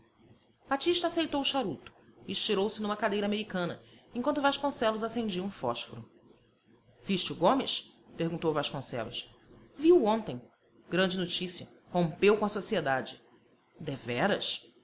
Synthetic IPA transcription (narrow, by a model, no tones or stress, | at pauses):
b̥at͡ʃiʃt̪ɐaːsejt̪owʊʃaɾut̪ʊ̥iːʃt͡ʃiɾowsɪnũmɐkad̪ejɾɐameɾikɐ̃nɐẽkwɐ̃nt̪ʊvaʃkõsɛlʊzasẽnd͡ʒiwũfɔʃfoɾʊ | viʃt͡ʃɪuɡõmɪs | pehɡũnt̪owvaʃkõsɛ̰lʊ̰s | viwuõnt̪ẽj̃ | ɡɾɐ̃nd͡ʒɪnot͡ʃisiɐ | hõpewkõɐsosied̪ad͡ʒɪ | d̪evɛɾɐ̰s